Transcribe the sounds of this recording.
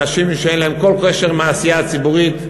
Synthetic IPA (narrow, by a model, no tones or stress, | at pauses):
aʃimʃeejnlahemkolkeʃeʁmaːsijat͡sibuʁit̪